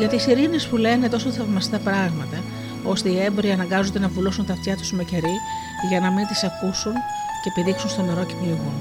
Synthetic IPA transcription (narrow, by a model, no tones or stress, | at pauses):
ʝɐt̪isiɾine̞spule̞ne̞t̪o̞soθɐvmɐst̪ɐpɾɐɣmɐt̪ɐ | o̞st̪e̞ie̞mboɾiɐnɐŋɡɐzo̞nd̪e̞nɐvulusunt̪ɐft̪çɐt̪u̥sme̞ce̞ɾi | ʝɐnɐmint̪isɐkusun | ceːpiðiksunst̪o̞me̞ɾocepniuɣun